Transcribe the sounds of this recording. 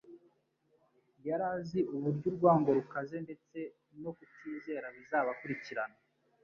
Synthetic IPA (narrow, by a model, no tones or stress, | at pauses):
jaɾaːziʔuβuɾɟuɾɡwaːŋɡo̞ɾukaze̞nde̞t͡se̞ | no̞kutiːze̞ɾaβizaːβakuɾiciɾana